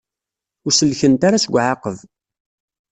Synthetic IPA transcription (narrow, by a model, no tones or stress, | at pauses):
ʊɾsəlçənt̪aɾasɡʷʕaqəv